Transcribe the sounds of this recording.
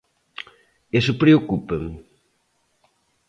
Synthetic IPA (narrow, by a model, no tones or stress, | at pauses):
esʊpɾeokupeŋ